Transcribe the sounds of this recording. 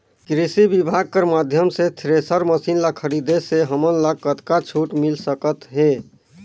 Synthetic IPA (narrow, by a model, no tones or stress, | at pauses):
kɾisibibʱaɡ̚kəɾmad̪ʱjəmset̪ʰɾesəɾməsinlakʰəɾid̪eseɦəmənlaɡ̚kət̪kat͡ʃʰuʈmilsəkət̪ɦe